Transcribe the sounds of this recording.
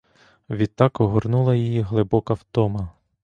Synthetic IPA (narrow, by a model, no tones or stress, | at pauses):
ʋʲid̪̚t̪ːɑkɔɦɔrnulˠɐjijiɦlˠɪbɔkɐwt̪ɔmɐ